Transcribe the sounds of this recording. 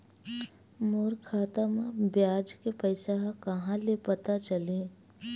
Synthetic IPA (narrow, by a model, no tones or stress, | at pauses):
moːɾkʰaːt̪amãbjaːd͡ʒkepəɪsaɦkɐɦãlepɐt̪at͡ʃəlẽː